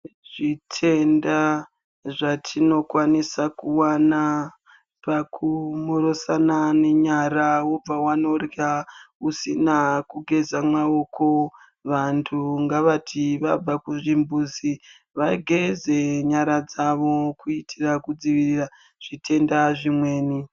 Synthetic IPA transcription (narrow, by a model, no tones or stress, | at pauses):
ʐ̥itʰe̞nda | ʐatʰino̞kwanisakuwana | pakʰumoɾo̞sanane̞ɲaɾawo̞b͡vawano̞rjausinakuɡʱe̞zamao̞ko̞ | ʋantʰuŋɡaʋatʰiʋab͡vakuʐimbuzi | ʋaɡʱe̞ze̞ɲaɾad͡zaʋo̞kuitʰirakud͡ziʋiriːra | ʐ̥itʰe̞ndaʐimwe̞ːni